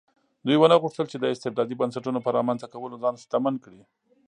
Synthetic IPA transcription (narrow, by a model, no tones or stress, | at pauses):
d̪ujwənaɣuʂt̪əlt͡ʃed̪əɪst̪ɪbd̪ɑd̪ibənsaʈunopəɾɑmanzakawəlozɑnst̪amankɽi